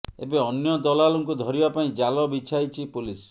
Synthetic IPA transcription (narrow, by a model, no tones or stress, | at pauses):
ḛbeɔnjɔd̪ɔlaluŋkud̪ʱɔɾibapaĩd͡ʒalɔbit͡ʃʰajt͡ʃʰipulis